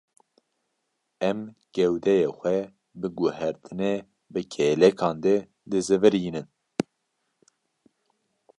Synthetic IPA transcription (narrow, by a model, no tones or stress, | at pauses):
ɛm | ɡ̥ɛwd̪ɛjexʷɛ | bɨɡuhɛɾt̪ʰɨne | bɨkʰɛːlɛkʰɑːnd̪ɛ | d̪ɨzɨvɨɾiːnɨn